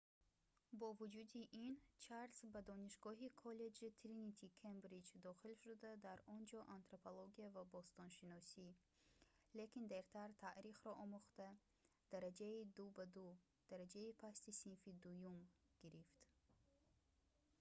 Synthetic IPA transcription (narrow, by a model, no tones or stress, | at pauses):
bɔvud͡ʒud̪iʔint͡ʃʰaɾsbad̪ɔniʃɡɔɦikʰɔle̞d͡ʒit̪ʰɾinit̪ʰikʰembɾid͡ʒd̪ɔχilʃud̪ad̪aɾɔnd͡ʒɔʔant̪ɾopʰoloɡiavabɔst̪ɔnʃinɔsi | le̞kind̪eɾt̪ʰaɾt̪ʰaʔɾiχɾɔʔɔmuχt̪a | d̪̥aɾad͡ʒaid̪ubad̪u | d̪̥aɾad͡ʒaipʰast̪isinfid̪ujum | ɡ̥iɾift̪